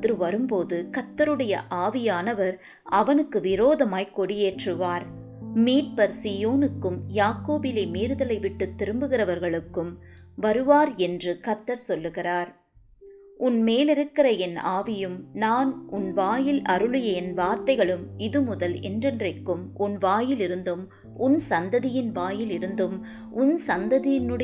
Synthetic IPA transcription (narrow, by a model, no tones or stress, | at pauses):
ɾɯʋɐɾɯmpoːðɯkɐt̪ːɐɾɯɽɐjɐ̰ʔaːʋɪjaːnɐʋɐɾ | ɐʋɐnɯkːɯʋɪɾoːðɐmaːjkɔɽɪjeːʈrɯʋaːɾ | miːʈ̚pɐɾsijoːnɯkːɯmjaːkoːbɪlɐɪmiːɾɯðɐlɐɪʋɪʈːɯt̪ːɪɾɯmbɯɣɪrɐʋɐɾɣɐɭɯkːɯm | ʋɐɾɯʋaːɾɛndrɯkɐt̪ːɐɾsɔlːɯɣɪraːɾ | ʊnmeːlɪɾɯkːɪrɐɛna̰ːʋɪjɯmnaːnʊnʋaːjɪlʔɐɾɯɭɯjɐɛnʋaːɾt̪ɐɪɣɐɭɯmɪðɯmʊðɐlɛ̰ndrɛndrɐɪkːɯmʔʊnʋaːjɪlɪɾɯnd̪ɯm | ʊnsɐnd̪ɐðɪjɪnʋaːjɪlɪɾɯnd̪ɯm | ʊnsɐnd̪ɐðɪjɪnɯɽɐ